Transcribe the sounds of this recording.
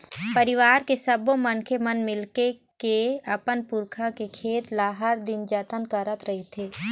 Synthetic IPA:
pəɾɪʋaːɾkesəbõmənkʰemənmɪlkekeɐpənpʊɾkʰakekʰeːt̪laːɦəɾd̪ɪnd͡ʒət̪ənkəɾət̪ɾɐɦit̪ʰeː

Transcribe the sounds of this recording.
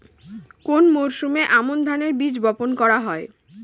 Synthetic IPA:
konmoɾʃumeʔamond̪ʱaneɾbid͡ʑbɔponkɔɾaɦɔe

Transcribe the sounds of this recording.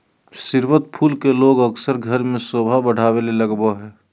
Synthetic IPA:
sɪɾwət̪̚pʰuːlkeloːɡəksəɾɡʱəɾmẽsoːbʱabəɽ̤aːweleləɡbaɦɛː

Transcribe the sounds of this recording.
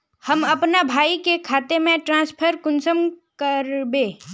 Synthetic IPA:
hɐmɐpnabʱaːikekʰaːt̪emẽʈɾãːspʰəɾkʊnsəmkəɾbẽː

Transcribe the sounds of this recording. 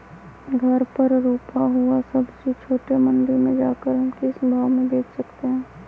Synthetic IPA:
ɡʱɐɾpɐɾɾuːpaɦuasɐbset͡ʃʰoːʈemɐ̃nd̪ɪɾmẽd͡ʒaːkəɾɦɐmkisbʱaːʋmẽd̪eːkʰsɐkt̪eɦɛ̃ː

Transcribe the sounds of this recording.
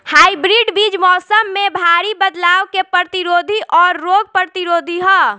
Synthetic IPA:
haːibɾiːɖbiːd͡ʒmɔːsəmːẽbʱaːɾibəd̪laːwkepɾət̪iɾoːd̪ʱiʔɔːɾːoːɡ̚pəɾət̪iɾoːd̪ʱiɦɔ

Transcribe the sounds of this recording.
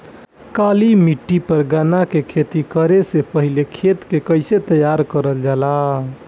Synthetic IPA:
kalimiʈːipəɾɡanakekʰet̪ikəɾesepəɦilekʰet̪kekəɪset̪əjaɾkəɾəld͡ʒala

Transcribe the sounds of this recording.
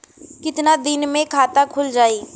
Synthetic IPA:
kɪt̪nad̪ɪnmẽkʰaːt̪akʰʊld͡ʒaːiː

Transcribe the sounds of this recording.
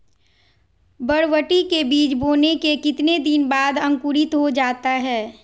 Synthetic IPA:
bɐɽʋəʈikebiːt͡ʃboːnekekɪt̪ned̪ɪnbaːd̪ɐ̃ŋkuɾɪt̪ɦod͡ʒaːt̪aɦɛː

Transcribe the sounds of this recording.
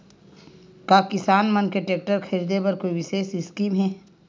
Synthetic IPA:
kaːkɪsaːnmɐnkeʈeːk̚ʈəɾkʰɐɾid̪ebɐɾkoːiʋɪʃeːsɪskiːmɦɛː

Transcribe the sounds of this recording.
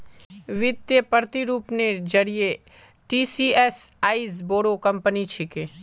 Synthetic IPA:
ʋɪd̪jəpəɾt̪iɾuːpned͡ʒɐɾie | ʈiːsiːɛsaːizboːɽokɐ̃mpənit͡ʃʰɪkẽː

